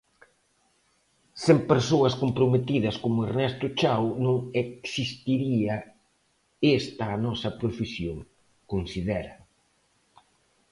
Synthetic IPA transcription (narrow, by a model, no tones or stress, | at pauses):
sempeɾsoɐskompɾomet̪iðɐskomʊeɾnɛst̪ʊt͡ʃawnõŋeksist̪iɾiɐ | est̪ɐːnɔsɐpɾofesjoŋ | konsiðɛɾɐ